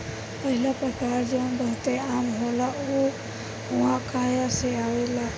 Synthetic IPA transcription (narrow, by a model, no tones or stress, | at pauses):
pɐɦilapəʈaːɾd͡ʒenbəɦt̪eaːmɦolau | ɦãkʰaːjaseaːʋela